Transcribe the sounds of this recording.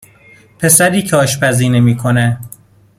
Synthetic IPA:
pʰe̞sæɾiːcʰɒːʃpʰæziːnemiːkʰone

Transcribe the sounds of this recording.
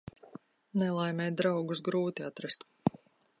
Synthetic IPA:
nɛlˠajmʲɛjd̪ɾawɡusɡɾuːt̪iat̪ɾast̪

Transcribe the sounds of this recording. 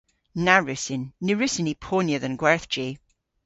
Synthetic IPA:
naɹʉsɪnːʉɹʉsɪnipʰonjəðə̃nɡwɛɹθd͡ʒi

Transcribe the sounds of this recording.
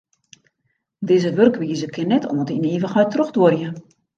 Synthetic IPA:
dɪːzəʋørkʋiːzəkʰɪnːɛtʰɔ̰ːntəiniːvəxœjtroxdworjə

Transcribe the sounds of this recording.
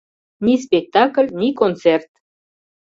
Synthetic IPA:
nispʲek̚t̪ɑkəlʲnikont͡sert̪

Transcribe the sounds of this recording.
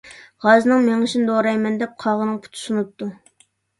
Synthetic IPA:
ʁɑznɨŋmeŋɪʃinɨd̪oɾɑjmɛnd̪ɛp̚qʰɑʁənɨŋpʰu̥t̪ʰu̥ʃunup̚t̪ːu

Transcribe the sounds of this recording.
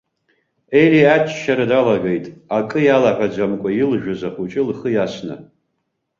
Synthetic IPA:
eliat͡ʃʰʼʃaɾadalaɡejtʼakʼɨjalaħʷad͡ʒʷamkʷʼajɪlʒᶣʊzaχut͡ʃʼɪlχəjasnɨ̰

